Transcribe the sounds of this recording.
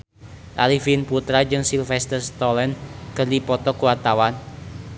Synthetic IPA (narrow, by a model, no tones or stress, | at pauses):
ʔalifinput̪ɾad͡ʒɨŋsilfɛst̪ərst̪ɔlɛnkərdipɔt̪ɔkuwart̪awan